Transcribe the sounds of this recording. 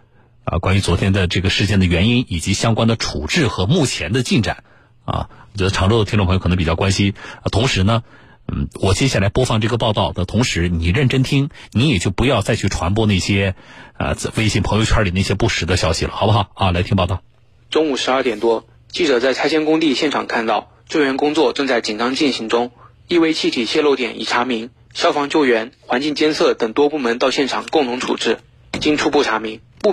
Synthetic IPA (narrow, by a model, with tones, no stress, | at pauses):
ə̰˧kwa˥ny˧˥t͡swɔ˧˥t̪ʰjɛ˥nd̪ə˨ʈ͡ʂɤ˥˩ɡə˩ʂɻ̩˥˧t͡ɕjɛ˥˩nd̪ə˩ɥɛ˧˥ni˥ni˨˩t͡ɕi˧˥ɕjɑ˥ŋkwa˥nd̪ə˨ʈ͡ʂʰu˨˩ʈ͡ʂɻ̩˥˩xɤ˧˥mu˥˩t͡ɕʰjɛ˧˥nd̪ə˧t͡ɕi˥˩nʈ͡ʂa̰˨˩˦n | ɐ̰˧wɔ˨˩t͡ɕɥɛ˧˥d̪ə˧ʈ͡ʂʰɑ˧˥ŋʈ͡ʂo˥˧˩də˩i˥ʈ͡ʂpʰo˧kʰn˧˥pi˨˩t͡ɕjɑ˥˩kwa˥nɕi˥˧t̪ʰʊ˧˥ŋʂɻ̩˧˥nə˧ | n̩˥˩wɔ˨˩t͡ɕjɛ˥ɕja˥˩la˧˥ɪpwɔ˥fɑ˥˧ŋʈ͡ʂɤ˥˩ɡə˩pɑ˥˧ʊt̪ɑ˥˩ʊd̪ə˩t̪ʰʊ˧˥ŋʂɻ̩˧˥ni˨˩ɻə˥˩nʈ͡ʂə˥nt̪ʰi˥ŋni˧˥jɛ˨˩t͡ɕjo˥˩ʊpu˧˥jɑ˥˧ʊt͡sa˥˧ɪt͡ɕʰy˥˩ʈ͡ʂʰwa˧˥np̬wɔ˥ne˥˩ɕjɛ˥ə̰˧we˥ɪɕi˥˩npʰɤ˧˥jo˧t͡ɕʰa˥˩li˨˩na˥˩ɕjɛ˥pu˥˩ʂɻ̩˧˥d̪ə˧ɕjɑ˥ɕḭ˨lə̰˦˩xɑ˨˩ʊbə˥xɑ˨˩˦ʊa˧la˧˥ɪt̪ʰi˥ŋpɑ˥˧ʊɑ˥˩ʊ | ʈ͡ʂʊ˥ŋu˨˩ʂɻ̩˧˥ɐ˞˥˩t̪jɛ˨˩nt̪wɔ˥ | t͡ɕi˥˩ʈ͡ʂɤ˨˩t͡sa˥˩ɪt͡sʰa˥ɕjɛ˥nkʊ˥ŋt̪i˥˧ɕjɛ˥˩nʈ͡ʂʰɑ˨˩ŋkʰa˥˧nt̪ɑ˥˩ʊ | t͡ɕo˥˩ɪɥɛ˧˥nkʊ˥ŋt͡swɔ˥˧ʈ͡ʂɤ˥˧ŋt͡sa˥˩ɪt͡ɕi˨˩nɑ˥ŋt͡ɕi˥˩nɕi˧˥ŋʈ͡ʂʊ˥ŋ | i˥˧we˥˧ɪt͡ɕʰi˥˧t̪ʰi˨˩ɕjɛ˥˧lo˥˧ʊt̪jɛ̰˨˩nḭ˨˩ʈ͡ʂʰa˧˥mi˧˥ŋ | ɕjɑ˥ʊfɑ˧˥ŋt͡ɕjo˥˩ʊɥɛ˧˥nxwa˧˥nt͡ɕi˥˩ŋt͡ɕjɛ˥nsʰɤ˥˩t̪ɤ˨˩ŋt̪wɔ˥pu˥˩mə˧˥nt̪ɑ˥˧ʊɕjɛ˥˩nʈ͡ʂʰɑ˨˩ŋkʊ˥˩ŋt̪ʰʊ˧˥ŋt͡sʰṵ˨˩ʈ͡ʂɻ̩˥˩ | t͡ɕi˥ŋʈ͡ʂʰu˥pu˥˩ʈ͡ʂʰa˧˥mi˧˥ŋ | pu˥˧